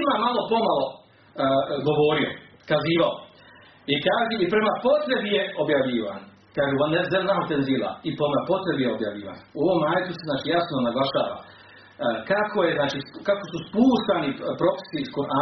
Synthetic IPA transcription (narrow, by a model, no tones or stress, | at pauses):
mamalˠo̞po̞malˠo̞ | ɡo̞ʋo̞ːɾio̰kaziːʋao | ikaːʒiipɾemapo̞t̪ɾe̞bije̞o̞bjaʋʎiːʋa̰n | kaːʒeʋanezelnaɦot̪enziːlˠa̰ipɾomapo̞t̪ɾe̞bijeobja̰ʋʎiːʋa̰ːnuo̞ʋo̞maːjet̪useznaːt͡ʃijasnonaɡlˠaʃaːʋa̰ | kakʰoje̞znaːt͡ʃiskako̞suspuːʃt̪anipɾo̞fe̥siskoʔa